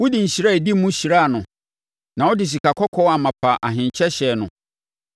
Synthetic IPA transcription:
wʊ˦dĩ˨ɲ̩˨ɕi˨ɾa˦e˨di˦mũ˦ɕi˨ɾa˦˨nʊ̃˨ | nã˨wɔ˦dɪ˨ɕ̬i˨ka˨kʰɔ˦kʰɔ˦a˨mã˨pʰa˨ʔa˨ɦɪ̃˨ɲ˨t͡ɕʰɛ˦ɕɛ˨nʊ̰̃˨

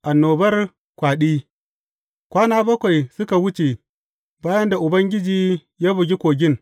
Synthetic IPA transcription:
ʔa˨nːoː˨bɐ˦r | kʷaː˨ɗi˦ | kʷaː˦naː˦bɐ˦kʷa˨jsʊ˦ka˨wʊ˦t͡ʃe˨ | baː˦jɐ˦nda˨ʔʊ˨bɐ˦ŋɡʲɪ˦d͡ʒiː˦ | jaː˦bu˨ɡʲi˦kʷoː˨ɡʲɪ˦n

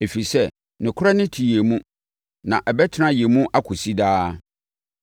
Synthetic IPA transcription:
e˨fi˨sɛ˦ | nɪ̃˨kʰʊ˦ɾa˦nɪ̃˦tʰi˨je˨mũ˦ | nã˨ʔɛ˨bɛ˦tʰɪ˦nã˦jɛ˨mũ˦ʔa˦kʰʊ˨si˦daː˦

